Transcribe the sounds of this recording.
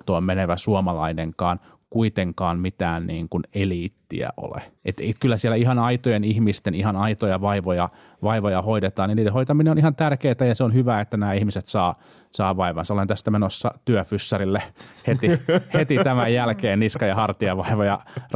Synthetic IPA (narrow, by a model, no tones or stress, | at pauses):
t̪oːmmeneʋæsuomɑlɑineŋkɑːn | kuit̪eŋkɑːnmit̪æːnnḭːŋkuneliːt̪ːḭæ̰ʔo̰lḛʔet̪ḛikylːæsiɛlːˑæihɑnɑit̪ojenihmist̪enihɑnɑit̪ojɑʋɑiʋojɑ | ʋɑiʋojɑhoidet̪ɑːniniːdehoit̪ɑminenonihɑnt̪ærkeːt̪æjɑseonhyʋæːet̪ːænæːihmiset̪sɑː | sɑːʋɑiʋɑnsɑolent̪æst̪æmenosːɑt̪yøfysːɑrilːehet̪ihet̪it̪æmæjjælkeːnniskɑjɑhɑrt̪iɑʋɑiʋojɑ